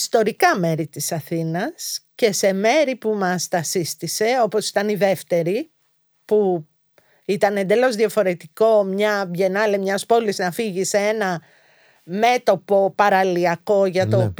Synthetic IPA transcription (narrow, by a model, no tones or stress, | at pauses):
st̪o̞ɾikɐme̞ɾit̪isɐθinɐsce̞se̞me̞ɾipumɐst̪ɐsist̪ise̞o̞po̞si̥t̪ɐniðe̞ft̪e̞ɾi | pu | it̪ɐnend̪e̞lo̞zðiɐfo̞ɾe̞t̪iko̞mɲɐʝe̞nɐlemɲɐspo̞liznɐfiʝiseenɐ | me̞t̪o̞po̞pɐɾɐliɐko̞ʝɐt̪op